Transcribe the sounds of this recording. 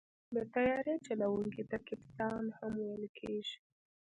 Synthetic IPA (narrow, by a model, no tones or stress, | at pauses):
b̪ət̪ajɑɾet͡ʃalawuŋkit̪akɪpst̪ɑnhamwajəlkʰeʒi̥